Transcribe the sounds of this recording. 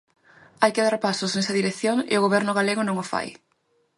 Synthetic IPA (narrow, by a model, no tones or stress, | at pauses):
ajkɪðaɾpasosnesɐðiɾeθjoŋɪ̰oɣoβɛɾnʊɣaleɣʊnõŋofa̰j